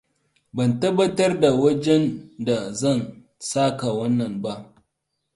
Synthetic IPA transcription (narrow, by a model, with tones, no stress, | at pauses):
bɐ˨ntɐ˦bːɐ˦tɐ˦rda˨wɐ˦d͡ʒɛ˦nda˨zɐ˦˨n | saː˦ka˨wɐ˦nːɐ˨mba˦ʔ